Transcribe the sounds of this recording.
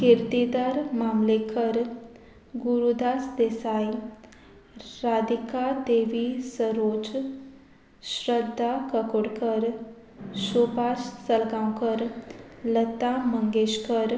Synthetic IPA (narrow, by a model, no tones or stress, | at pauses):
keɾt̪id̪aɾmaːmlekʰəɾ | ɡuɾud̪aːsd̪esaːi | ɾad̪ikad̪eːʋisəɾoːd͡ʒ | ʃɾəd̪ʱːakəkoɽkəɾ | ʃubaːʃsəlɡaːwkəɾlət̪ːaməŋɡeːʃkəɾ